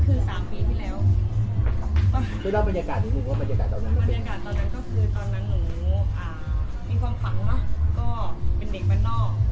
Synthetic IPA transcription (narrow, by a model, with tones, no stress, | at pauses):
kʰɯː˧˩saː˨˩˦mpiː˧t̪ʰiː˥˩lɛː˦˥wʰ | ma˧˩kʰɯ˧˩daː˧˥˩ba˧njaː˧kaː˨t̪̚ʰːiː˧˩nɯ˧ŋwaː˧˥˩ma˧ntt͡ɕaː˧kaː˨˩t̪ːɔː˧nːa˦˥˦ma˧ba˧˨e˧nja˧kaː˨˩t̪ːɔː˧nːa˦˥nkɔː˥˩kʰɯː˧t̪ɔː˧nːa˧˥˩ŋnu˧˩˨ʔaː˧˩ | miː˧˥˩kʰwaː˧mka˩˦ŋnɔ˦˥˩kɔː˥˩pe˧nde˨˩k̚pa˧nɔː˥˩k̚